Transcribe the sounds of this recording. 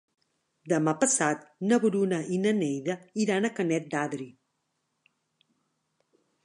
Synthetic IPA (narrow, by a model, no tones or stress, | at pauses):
d̪əmapəsat̪nəβuɾunəʔinənejðəiɾanəkənɛt̪̚d̪aðɾi